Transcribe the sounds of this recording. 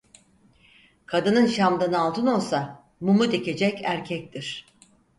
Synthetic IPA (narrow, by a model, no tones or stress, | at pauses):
kʰad̪ɯnɯnʃamd̪anɯalˠt̪ʰɯno̞lˠsa | mumud̪ekʰe̞d͡ʒɛcæɾcʰɛc̚t̪ʰiɾ̥